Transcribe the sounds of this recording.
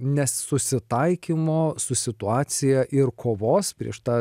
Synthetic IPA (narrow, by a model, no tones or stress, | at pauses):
nʲɛssʊsʲɪt̪ɐɪkʲimoːsʊsʲɪt̪ʊɑːt̪sʲɪjɛʔɪɾkʰoːʋoːspʲɾʲiɛʃt̪ɑː